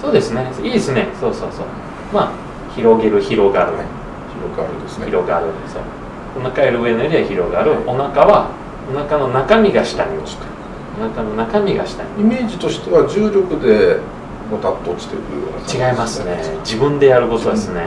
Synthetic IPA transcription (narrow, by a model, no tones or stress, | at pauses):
so̞ːd̪e̞sɨne̞soiːd̪esɨne̞so̞ːso̞ːso̞̰ː | ma | çiɾo̞ɡe̞ɾɯ̟çiɾo̞ɡaːɾɯ̟ | ioɡaɾsiɾo̞ɡaːɾɯ̟soː | onakaeɾɯ̟ɯ̟e̞nojoɲiβaçiɾo̞ɡaːɾɯo̞nakaβa | onakano̞nakamʲiɡaɕi̥t̪aɲi̥t̪ | onakano̞nakamʲiɡaɕi̥t̪a̰ɲiime̞ːd͡ʑit̪o̞ɕi̥t̪e̞βad͡ʑɨːɾʲokɯ̟d̪e | mot̪at̪ːoːt͡ɕi̥t̪ekɯo̰t͡ɕiɡaimasɨned͡ʑibɯ̟̃nd̪e̞jaɾɯ̟ko̞t̪od̪esɨne̞